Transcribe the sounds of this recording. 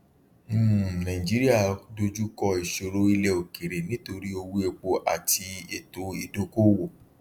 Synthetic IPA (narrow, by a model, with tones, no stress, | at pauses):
m̩˦˨nã˨ĩ˨d͡ʒi˨˦ɾi˦a˦˨do˧d͡ʒu˦kɔ˧i˨ʃo˧ɾo˧˦i˧lɛ˧o˨ke˨ɾe˨nĩ˨˦to˧ɾi˦o˧wu˦e˧k͡po˧ʔa̰˨ti˧e˨to˨˦i˦˨do˨˦ko˦wo˦˨